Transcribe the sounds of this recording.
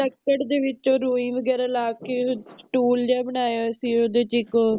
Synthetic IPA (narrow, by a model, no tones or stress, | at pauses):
ʈɛkkːəɖd̪eːʋɪt͡ʃoːɾuːĩːʋəɡɛːɾaːlaːkeːʈuːld͡ʒaːbəɳ̃aːjoːəsĩːoːd̪eːt͡ʃɪkoː